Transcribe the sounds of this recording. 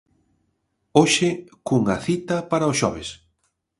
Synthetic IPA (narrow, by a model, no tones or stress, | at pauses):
oʃɪkuŋɐ̰θit̪ɐpaɾaʊsʃɔ̰β̞es